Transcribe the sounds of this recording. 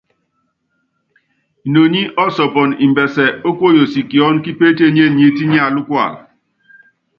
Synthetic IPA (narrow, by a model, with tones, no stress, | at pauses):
no˨ɲi˦ʔɔ˦sɔ˨pɔ˨ni˨m̩˨bɛ˨sɛ˨o˦kwo˦˨jo˨si˨ki˨ɔ˦n˦ki˦pe˦te˦˨ɲe˦˨ɲe˨˦ti˦ɲi˦a˦˨lu˦kwa̰˦˨